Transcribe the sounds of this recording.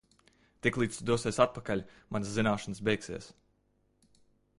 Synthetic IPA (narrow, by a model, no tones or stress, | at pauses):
t̪iklˠiːt̪sd̪uɔsiɛsat̪̚pakalʲmanszinaːʃansbʲɛjksiɛs